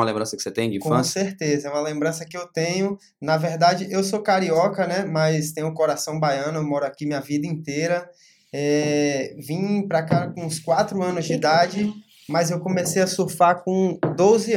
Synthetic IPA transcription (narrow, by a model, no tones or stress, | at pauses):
mɐlẽbɾɐ̃sɐkɪ̥set̪ẽj̃d͡ʒikõseɾt̪ezɐɛũmɐlẽmbɾɐ̃sɐkɪewt̪ẽɲʊ | nɐveɾd̪ad͡ʒɪʔewsokaɾiɔkɐnɛmɐjst̪ẽj̃ʊkoɾasɐ̃w̃bajɐ̃nʊewmɔɾʊakimĩɲɐvid̪ɐĩt̪eɾɐ | ɛ | vĩpɾakakõːskwat̪ɾʊɐ̃nʊzd͡ʒɪd̪ad͡ʒɪ | mɐzewkõmesejɐsuɾfakõd̪ozɪ